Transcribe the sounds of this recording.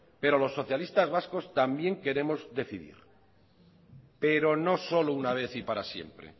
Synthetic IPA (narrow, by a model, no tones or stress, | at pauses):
pe̞ɾo̞lo̞sːo̞θjalist̪azβasko̞st̪ambje̞ŋke̞ɾe̞mo̞zðe̞θiðḭɾ | pe̞ɾo̞no̞so̞lounaβ̞e̞θipaɾasje̞̰mpɾḛ